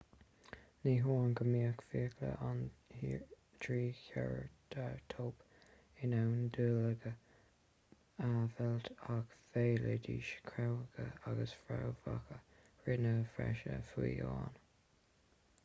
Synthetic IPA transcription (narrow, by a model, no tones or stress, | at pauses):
niːɦonɡəmiːəkfiːkʰlə̰ʔanhi | d̥ɹiːçɛɹd̥aɹtʰoːp | ɪnawnd̪uːləɡə | avɛlt̪akfeːləd̪iːʃkʰɾawəɡəaɡəsfɾawvakə | ɹɪnəfɾɛ̰ʃəfiːɑːn